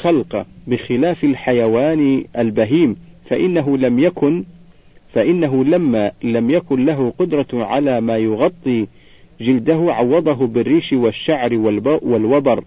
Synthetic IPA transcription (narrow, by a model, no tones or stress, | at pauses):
xɑlqɑbɪxɪlaːfalħajawaːnʔalbaɦiːmfaʔɪnːaɦʊlamjakʊn | faʔɪnːaɦʊlamːalamjakʊnlaɦʊqʊd̪ɾˤɑʕa̰laːmaːjʊɣɑt̪ˤːiː | d͡ʒɪld̪aɦʊʕɑwːɑd̪ˤɑɦʊbɪrːiːʃwaʃːaʕɾwalbwalwɑbɑɾˤ